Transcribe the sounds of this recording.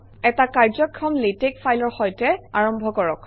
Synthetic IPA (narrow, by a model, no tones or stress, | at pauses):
ɛtakaɹzɔkʰːɹɔmletekfʰajlɔɹxɔjtɛaɹɔmbʱɔkɔɹɔk